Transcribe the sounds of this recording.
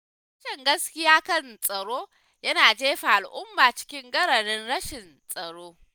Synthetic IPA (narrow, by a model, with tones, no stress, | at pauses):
ɐ˦ʃɪ˨ŋɡɐ˦skʲɪ˦jaː˦kɐ˦˨nsʼɐ˨ɽoː˦ | jɐ˦naː˨d͡ʒeː˦ɸa˨ʔa˨lʔʊ˦mːaː˨t͡ʃɪ̥˦kʲɪ˦ŋɡɐ˦ɾɐ˨ɽɪ˦nɽɐ˦ʃɪ˨n | sʼɐ˨ɽoː˦